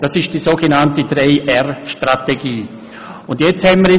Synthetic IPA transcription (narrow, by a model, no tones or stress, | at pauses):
d̥asɪʃd̥iːsoːɡ̥enantədrɛɪʔɛrʃtrateɡiː | ʊndjɛt͡sthɛmməɾɪ